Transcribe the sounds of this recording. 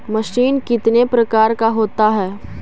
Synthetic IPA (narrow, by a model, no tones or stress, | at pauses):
mɐʃiːnkɪt̪nepɾɐkaːɾkaɦoːt̪aɦɛː